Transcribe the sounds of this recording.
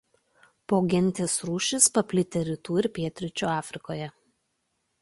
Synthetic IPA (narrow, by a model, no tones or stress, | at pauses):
poːɡʲɪnʲˑt̪ʲeːsɾuːʃʲɪspɐpʲlʲɪt̪ʲeɾʲɪt̪uːɪɾpʲiɛt̪ʲɾʲɪt͡ʃʲuɑːfʲɾʲɪkoːjɛ